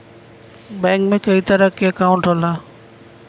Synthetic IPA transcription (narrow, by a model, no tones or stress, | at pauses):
bɛ̃ːkmẽkɐit̪ɐɾəkeɐkaːʊ̃ɳʈɾoːlaː